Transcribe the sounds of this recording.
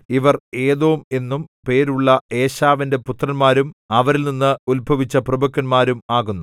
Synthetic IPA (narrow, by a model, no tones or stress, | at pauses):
iʋɐre̞ːðoːume̞nːumpe̞ːɾuɭːɐe̞ːɕaːʋinde̞put̪rɐnmaːɾumɐʋɐɾilninːɨulbʱɐʋit͡ɕːɐprɐbɐkːɐnmaːɾumaːɣunːu